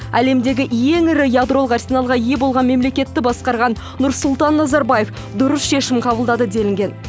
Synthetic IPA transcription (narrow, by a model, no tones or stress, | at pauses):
æle̞md̪e̞ɡʲɪje̞ŋɪɾɪjad̪ɾolˠqarsʲinɑlˠʁɑje̞bo̞lˠʁɑnme̞mle̞kʲe̞t̪ːɪbɑsqɑɾʁɑnːʊɾsʊlˠt̪ɑnːɑzɑɾbaje̞f | d̪ʊɾəsʃe̞ʃɪmqʰɑbəlˠd̪ɑd̪əd̪e̞lɪŋɡʲe̞n